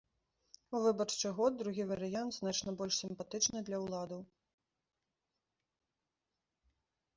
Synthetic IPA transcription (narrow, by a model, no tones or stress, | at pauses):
uvɨbɐrt͡ʂɨɣɔd̪̚d̪ɾuɣʲivɐɾɨjant̪znat͡ʂnɐbɔlʲʂsʲimpat̪ɨt͡ʂnɨd̪lʲɐwlˠad̪ɐw